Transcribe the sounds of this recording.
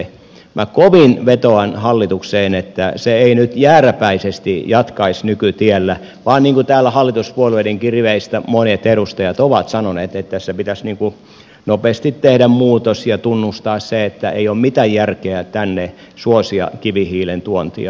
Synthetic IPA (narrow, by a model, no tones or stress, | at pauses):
mʔækoʋinʋet̪oɑnhɑlːit̪ukseːnet̪ːæseeinyt̪jæːræpæisest̪ijɑt̪kɑisnykyt̪iælːæ | ʋɑːnniːŋkut̪æːlːˑæhɑlːit̪uspuolʋediŋkirʋeist̪æmonet̪eɾust̪ɑjɑt̪oʋɑt̪sɑnoneːt̪et̪tːæsːæpit̪æsniːŋku | nopeːˑst̪it̪tehdæmmuːt̪osjɑt̪unːust̪ɑːsseet̪ːæeiommit̪æjjærkeæt̪ænːe | suosiɑ̰kiʋihiːlent̪uont̪ḭɑ̰